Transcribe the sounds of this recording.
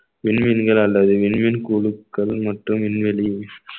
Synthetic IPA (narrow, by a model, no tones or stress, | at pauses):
ʋɪɳmɪnɡɐɭɐlːɐðɯʋɪnmɪnkuːɭɯkːɐɭmɐʈrɯmʋɪnʋɛli